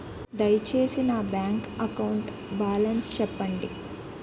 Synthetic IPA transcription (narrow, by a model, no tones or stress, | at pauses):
d̪ɐjt͡ʃe̞ːsinɐbjaːŋkɐkɐwuɳʈ | baːlɐnst͡ʃɛpːɐɳɖi